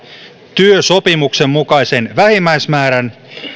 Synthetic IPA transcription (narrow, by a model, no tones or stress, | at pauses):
t̪yøsopimukse̞mːukɑjse̞nʋæhimːæjsmæːɾæn